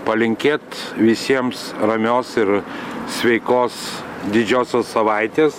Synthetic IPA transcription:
pɐlʲɪŋʲkʲeːt̪ʋʲɪsʲiɛmsɾɐmʲoːsɪɾsʲʋʲɛɪkoːs | d̪ʲɪd͡ʒʲoːsʲoːssɐʋɐɪt̪ʲeːs

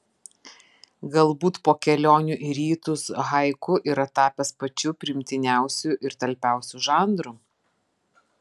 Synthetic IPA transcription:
ɡɐlˠbuːt̪poːkʲɛlʲoːnʲʊʔɪɾʲiːt̪ʊsɣɐɪkʊʔɪɾɐt̪ɑːpʲɛspɐt͡ʃʲʊpʲɾʲɪmʲt̪ʲɪnʲæˑʊsʲʊʔɪɾt̪ɐlʲpʲæˑʊsʲuʒɑːˑnd̪ɾu

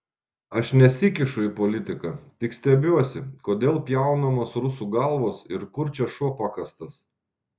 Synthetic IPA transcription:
ɐʃnʲɛsʲɪkʲɪʃʊɪpɔːlʲɪt̪ʲɪkɐˑt̪ʲɪksʲt̪ʲɛbʲuɔsʲɪkoːd̪ʲeːlˠpʲjɛˑʊnɐmoːsɾʊsuːɡɐlˠʋoːsɪɾkʊɾʲt͡ʃʲɛʃuɔpɑkɐst̪ɐs

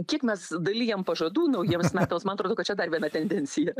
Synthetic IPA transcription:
kʲiɛkmʲɛsd̪ɐlʲiːjɛmpɐʒɐd̪uːnɐʊjiɛmssmʲæːt̪ɐːmsmɐnɐt̪ɾoːdoːkɐtt͡ʃʲɛd̪ɐrʋʲiɛnɑt̪ʲɛnʲd̪ʲɛnʲsʲɪjɛ

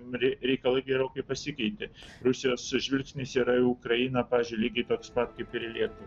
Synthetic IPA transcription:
ɾʲɾʲɛɪkɐlˠɐɪɡʲɛɾoːkɐɪpɐsʲɪkʲɛɪt̪ʲɪɾʊsʲɪjoːsʒʲʋʲɪlʲksʲnʲɪsiːɾɐɪʊkɾɐjɪnɐpɑːʋʲɪːzʲd͡ʒʲʊɪlʲiːɡʲɛɪt̪oːkspɐt̪kɐɪpɪɾɪlʲiɛtʊ

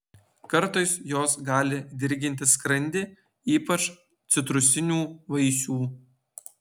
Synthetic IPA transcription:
kɐɾˑt̪ɔɪsjoːsɡɑːlʲɪd̪ʲɪɾʲɡʲɪnʲt̪ʲɪskɾɐnʲd̪ʲeː | iːpɐt͡ʃ | t̪sʲɪt̪ɾʊsʲɪnʲuːʋɐɪsʲuː

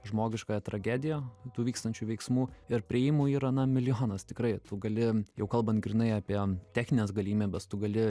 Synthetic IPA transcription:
ʒmoːɡʲɪʃkoːjɛt̪ɾɐɡʲæːd̪ʲɪjɛt̪uːʋʲiːkst̪ɐnʲt͡ʃʲuʋʲɛɪksmuːɪɾpʲɾʲɪɪːmuːiːɾɐnɐmʲɪlʲɪjoːnɐst̪ʲɪkɾɐɪt̪ʊɡɐlʲɪjɛʊkɐlˠbɐnt̪ɡɾʲɪnɐɪɑːpʲiɛt̪ʲæːxʲnʲɪnʲeːsɡɐlʲiːmʲeːbʲɛst̪ʊɡɐlʲɪ

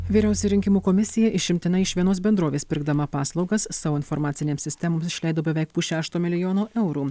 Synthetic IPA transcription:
ʋʲiːɾʲɛˑʊsʲɛɾʲɪŋʲkʲɪmuːkomʲɪsʲɪjɛʔɪʃʲɪmʲt̪ʲɪnɐɪɪʃʋʲiɛnoːs̬bʲɛnd̪ɾoːʋʲeːspʲɪɾɡd̪ɐmɐpɑːslˠɒʊɡɐsːɑːʋoːɪnfɔɾmɑːt̪sʲɪnʲeːmsʲɪsʲt̪ʲɛmoːmsɪʃʲlʲɛɪd̪oːbʲɛʋʲɛˑɪk̚pʊʃʲæːʃt̪oːmʲɪlʲɪjoːnoːʔɛʊɾuː

